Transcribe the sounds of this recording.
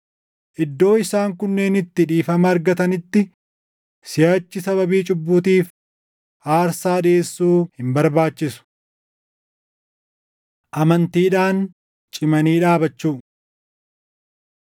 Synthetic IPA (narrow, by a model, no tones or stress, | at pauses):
ʔɪd̪ːo̞ːɪsaːŋkʊnːe̞ːnɪt̪ːɪᶑiːfɐmɐːɾɡɐt̪ɐnɪt̪ːɪ | sɪjaːt͡ʃːɪsɐβɐbiːt͡ʃʼʊbːuːt̪iːf | ʔaːɾsaːᶑeːsːuːhɪmbɐɾbaːt͡ʃːɪsʊ̥ | ʔɐmɐnt̪iːᶑaːn | t͡ʃʼɪmɐniːᶑaːbɐt͡ʃːuː